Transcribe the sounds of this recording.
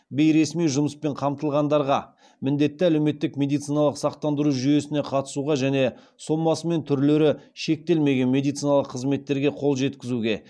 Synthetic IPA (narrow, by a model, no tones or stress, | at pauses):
be̞jɾe̞smijʒʊməspe̞ɴqʰɑmt̪əlˠʁɑnd̪ɑɾʁɑ | mɪnd̪e̞t̪ːɪælewme̞t̪ːɪkmʲe̞d̪ijt̪sijnɑlˠəqsɑq̚t̪ɑnd̪əɾuʒʏje̞sɪne̞qʰɑt̪ə̥suʁɑʒæne̞ | so̞mːɑsəme̞nt̪ʰʏɾle̞ɾɪʃe̞k̚t̪e̞lme̞ɡʲe̞nme̞d̪ijt̪sijnɑlˠəqʰːəzme̞t̪ːe̞ɾɡʲe̞qʰo̞lˠʒe̞t̪kʲɪzuɡʲe̞